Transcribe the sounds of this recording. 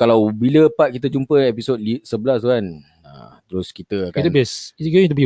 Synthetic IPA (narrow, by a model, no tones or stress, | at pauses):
kalawbiləpat̪̚kit̪əd͡ʒumpəɛpisot̚lisəbəlast̪uan | ə̰t̪əɾʊskit̪əakatt̪ənbiesitɡõt̪̬ubi